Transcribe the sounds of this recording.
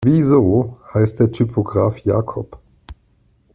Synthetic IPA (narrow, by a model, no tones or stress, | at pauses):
viːzohajst̪ɛtʰypʰɔɡʁaːfjaːkʰɔp